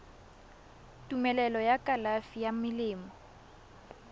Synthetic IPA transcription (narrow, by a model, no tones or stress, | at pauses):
tʼumɛlɛlɔjakʼalafijamɪlɪːmɔ